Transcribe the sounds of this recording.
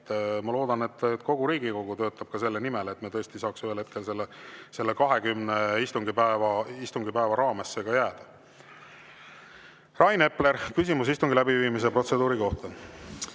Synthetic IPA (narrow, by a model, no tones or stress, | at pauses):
mɑlo̞ːd̪̥ɑne̞t̪ːko̞ɡ̥uɾiːɡ̥iko̞ɡ̥ut̪ø̞ːt̪ːˑɑb̥̚kɑse̞lːe̞nime̞let̪met̪ɤ̞est̪isɑːksyhelhe̞t̪̚ke̞lse̞lːese̞lːe̞kɑɦe̞kymneist̪uŋɡ̥ipæevɑist̪uŋɡ̥ipæevɑɾɑːme̞sːeɡɑjæːd̪̥ɑ | rɑjne̞ple̞ɾkysʲimus̬ist̪uŋɡilæbiviːmis̬epro̞t̪se̞d̪̥uːɾiko̞ht̪ɑ